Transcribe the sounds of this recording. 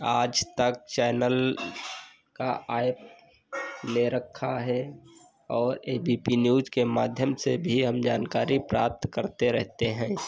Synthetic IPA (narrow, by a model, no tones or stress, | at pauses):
aːd͡ʒt̪ək̚t͡ʃɛːnəl | kaaːɪp̚ | neɾəkʰːaɦɛ | ɔːɾeːbiːpinjuːzkemaːd̪ʱjəmsebʱiɦəmd͡ʒaːnkaːɾipɾaːp̚t̪kəɾt̪eɾɛɦt̪eɦɛ̃ː